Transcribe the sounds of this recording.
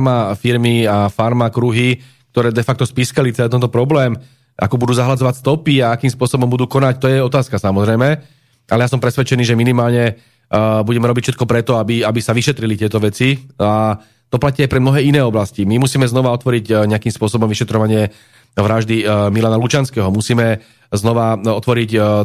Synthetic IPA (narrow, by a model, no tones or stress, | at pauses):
mafiɾmiafaɾmakɾuɦi | k̚t̪ɔɾɛːd̪ɛfak̚t̪ɔspiːskalitt͡sɛlɛːt̪ɛnt̪ɔpɾɔblɛːm | ʔa̰kɔbud̪uːzaɦlad͡zɔʋacst̪ɔpiaakiːmspʊɔsɔbɔmbud̪uːkɔnac̚t̪ɔjɛɔt̪aːskasamɔzɾɛjmɛ | ʔalɛjasɔmpɾɛsʋɛt͡ʃɛniːʒɛminimaːlɲɛ | buɟɛmɛɾɔbicfʃɛt̪kɔpɾɛt̪ɔabiabisaʋiʃɛt̪ɾilit̪ɪɛt̪ɔʋɛt͡sia | t̪ɔplaciːajpɾɛmnɔɦɛːinɛːɔblascimimusiːmɛznɔʋaɔt̪ʋɔɾiɟɲɛakiːmspʊɔsɔbɔmʋiʃɛt̪ɾɔʋaɲɪɛ | ʋɾaʒd̪imilanalut͡ʃanskɛːɦɔmusiːmɛ | znɔʋaɔt̪ʋɔɾic